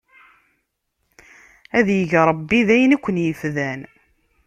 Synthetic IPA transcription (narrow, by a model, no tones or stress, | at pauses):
æðjəʝɾˤəbːiðæjnækʷːənjəfðæn